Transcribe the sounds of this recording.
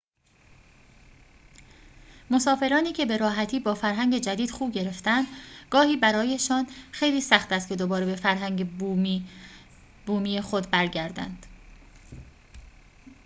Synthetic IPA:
mo̞sɒːfe̞ɾɒːniːcʰe̞be̞ɾɒːɦæt̪ʰiːbɒːfæɾɦæŋɟe̞d͡ʒæd̪iːd̪̥xuːbɟe̞ɾe̞ft̪ænd̪̥ɡ̥ɒːhiːbæɾɒːje̞ʃɒːnxejliːsæxt̪æst̪kcʰe̞d̪o̞bɒːɾebe̞fæɾɦæŋe | buːmiːjexo̞d̪bæɾɟæɾd̪æ̰nd̪̥

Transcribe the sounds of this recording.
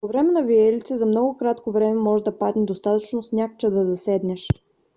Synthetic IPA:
povɾɛmɛnɐviɛlit̪sɛzɐmnɔɡʊkɾat̪kovɾɛmɛmɔʒɛd̪ɐpad̪nid̪ost̪at̪ət͡ʃnosnʲakt͡ʃɛd̪ɐzɐsɛd̪nɛʃ

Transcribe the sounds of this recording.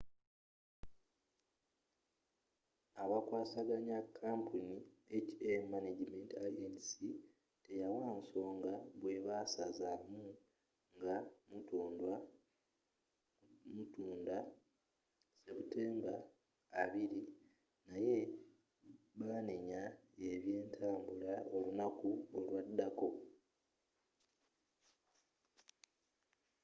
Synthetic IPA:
aβakwaːsaɡaɲakʰːaːmpʰuniecemaned͡ʒimentajensi | te̞jawaːnso̞ːŋɡaβwe̞βasazamu | ŋɡamutuːndwa | mutuːnda | se̞βute̞ːŋɡaː | βiɾi | naje̞ | βaːneɲa | e̞βje̞ːntʰaːmbulao̞lunakuolwadːako̞

